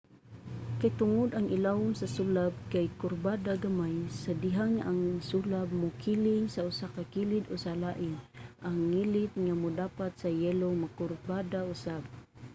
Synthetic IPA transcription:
kajt̪ʊŋʊd̪ʔaŋɪlaʊŋsasulab̚kajkʊrbad̪aɡamajsad̪ɪɦaŋːaʔaŋsulab̚mʊkʰilɪŋsaʊsakakilɪd̪ʊsalaʔɪnʔaŋːilɪt̪̚ŋamʊd̪apat̪sajɛlomakʊrbad̪aʊsab̚

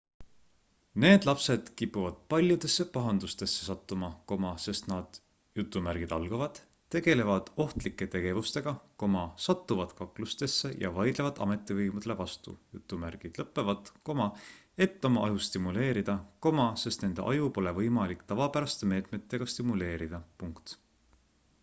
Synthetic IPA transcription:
ne̞ːd̪̥lɑpse̞d̪̥kipːuvɑd̪̥̚pɑlʲjud̪̥e̞sːe̞pɑɦɑnd̪ust̪e̞sːesɑt̪ːˑumɑko̞mɑse̞st̪nɑd̪̥ | jut̪ˑːumæɾɡ̥id̪̥ɑlɡ̥ɑvɑd̪̥ | tːe̞ɡ̥e̞le̞vɑd̪̥o̞ht̪likːˑe̞t̪e̞ɡ̥e̞vust̪e̞ɡ̥ɑko̞mɑsɑt̪ːuvɑd̪̥kɑklust̪e̞sːejɑ̰vɑjd̪̥levɑd̪ɑ̰me̞t̪ːˑivɤjmud̪̥e̞le̞vɑst̪ṵjut̪ˑːumærɡ̥id̪̥lɤpˑːe̞vɑd̪̥ko̞mɑ | e̞t̪ːo̞mɑɑjust̪imule̞ːɾid̪̥ɑko̞mɑse̞st̪ne̞nd̪eʔɑjupo̞le̞vɤjmɑlikt̪ɑvɑpæɾɑst̪e̞me̞ːt̪me̞t̪ːe̞ɡ̥ɑst̪imule̞ːɾid̪̥ɑpuŋkt̪

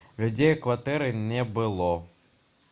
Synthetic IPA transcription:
lʲʊd͡zʲejkvat̪ɛɾɨnʲɛbɨlˠɔ

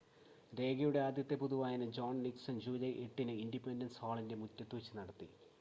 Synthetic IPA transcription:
ɾe̞ːɡɐjuɽe̞aːd̪jɐt̪ːe̞puðuʋaːjɐnɨd͡ʑo̞ːɳniksɐnd͡ʑuːlɐjʔeʈːinɨindipːendɐnsaːɭinde̞mutːɐt̪ːut͡ɕːɨnɐɽɐt̪ːi

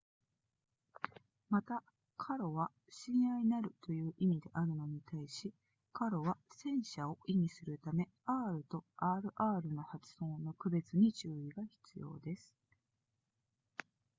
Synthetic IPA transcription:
mat̪a | kʰaɾo̞βa | ɕĩɰ̃ainaɾɯ̟t̪o̞jɯ̟ːʔimʲid̪e̞ʔaɾɯ̟no̞ɲ̟it̪aiɕi | kaɾo̞βasẽ̞ɰ̃ɕao̞ʔimʲisɨɾɯ̟t̪ame̞ | aːɾɯ̟t̪o̞ʔaːɾɯ̟ʔaːɾɯ̟no̞hat͡sɨ̥ho̞ːnokɯ̟be̞t͡sɨɲ̟it͡ɕɨːiɡaçi̥t͡sɨjo̞̰ːd̪e̞sɨ̥

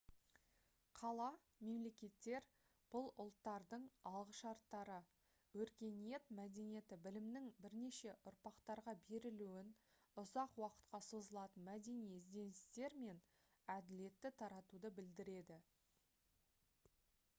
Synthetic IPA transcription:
qʰɑlˠɑ | me̞mle̞kʲe̞t̪ːe̞ɾ | b̥ʊlˠʊlˠt̪ːɑɾd̪əɴɑlˠʁəʃɑɾt̪ːɑɾə | wɵɾkʲe̞nije̞t̪mæd̪e̞nije̞t̪ɪbɪlɪmnɪŋbɪɾne̞ʃe̞ʔʊɾpɑqt̪ɑɾʁɑbe̞ɾɪluwɪn | ʊzɑqwɑqə̥t̪qɑsozəlˠɑt̪ənmæd̪e̞nijzd̪e̞nɪst̪e̞ɾme̞n | æd̪ɪle̞t̪ːɪt̪ʰɑɾɑt̪ud̪əbɪld̪ɪɾe̞d̪ɪ

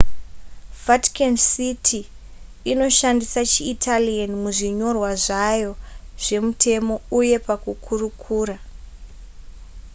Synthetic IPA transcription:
vati̥kensitʰiː | no̞ʃandisat͡ʃiːtʰalianmuʐiɲo̞rwaʐajo̞ʐ̥e̞mutʰe̞mo̞uje̞pakukʰurukʰuːra

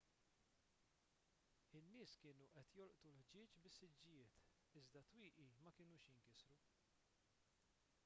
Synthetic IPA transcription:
ɪnːɪːskɪːnuʔɛt̪jɔlʔt̪ulħd͡ʒɪːt͡ʃbɪsːɪd͡ʒːɪjɪːt̪ | ɪzd̪ɐt̪wiːʔimɐkɪːnuːʃjɪŋkɪsɾu

